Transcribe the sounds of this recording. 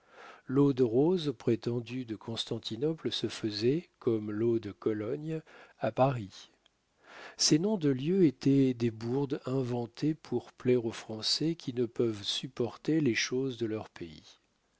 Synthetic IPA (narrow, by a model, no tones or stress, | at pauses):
lod̪ʁozpχet̪ɑ̃d̪yd̪əkʰɔ̃st̪ɑ̃t̪ʰinɔplsəfəzɛkɔmlod̪əkɔlɔɲapaʁi | senɔ̃d̪əljøet̪ɛd̪ebuʁd̪ɛ̃vɑ̃t̪ʰepʰuʁplɛʁofχɑ̃sɛkʲinəpœvsypɔʁt̪eleʃozd̪əlœʁpeḭ